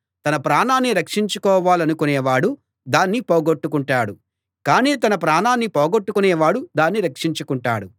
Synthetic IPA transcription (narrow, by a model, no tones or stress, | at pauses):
t̪ɐnɐpɾaːnaːnːiɾɐkʂiɲt͡ʃukɔːʋaːlɐnukunɛːʋaːɽu | d̪aːnːipɔːɡoʈːukuɳʈaːɽu | kaːniːt̪ɐnɐpɾaːnaːnːipɔːɡoʈːukunɛːʋaːɽud̪aːnːiɾɐkʂiɲt͡ʃukuɳʈa̰ːɽu